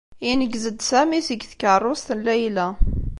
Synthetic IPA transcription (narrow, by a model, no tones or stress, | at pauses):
inəɡzəd̪sæmisəɡθkərˤːʊst̪ənlæjlæ